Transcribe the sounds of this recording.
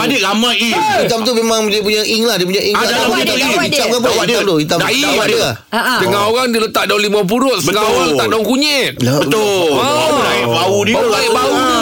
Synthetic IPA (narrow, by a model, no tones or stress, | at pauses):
adɪʔlamaji | it̪amt̪umemãŋdiəp̬uɲaʔiŋlahdiəp̬uɲaʔiŋlait̪ait͡ʃamkapuid̪amt̪uhit̪amdaiaadua | dəŋãoɣaŋdiələt̪aʔ̚dalimap̬uɾʊt̪dəəŋãoɣaŋəaʔdaʊŋkuɲɛt̪̚bət̪ʊ | naɪʔbaudiaaiʔbau